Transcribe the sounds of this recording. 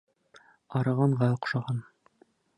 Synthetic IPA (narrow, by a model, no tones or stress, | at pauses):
ɑɾɤ̆ʁɑɴʁɑŏqʃɑʁɑn